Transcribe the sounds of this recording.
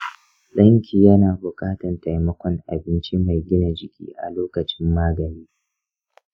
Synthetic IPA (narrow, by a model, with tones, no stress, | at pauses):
lɐ˦ŋkʲiː˨jɐ˦naː˨bʊ˨kʼaː˦tɐ˨nta˨jmɐ˦kʷɔ˦ŋʔa˨bɪ˦nt͡ʃi˦ma˨jɡʲɪ˦na˨d͡ʒɪ˦kʲḭː˦ʔa̰˨loː˦kɐ˨t͡ʃɪ˦mːaː˦ɡɐ˨niː˦